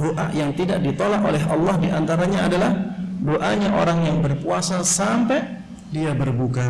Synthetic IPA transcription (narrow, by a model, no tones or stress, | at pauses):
oʔa̰ʔjaŋt̪idaʔ̚dit̪olaʔolɛɦɑ̰lːɑhdiʔant̪aɾaɲaːdalahdoʔa̰ɲaʔo̰ɾaŋjaŋbərpuasasampɛ | diabərbuka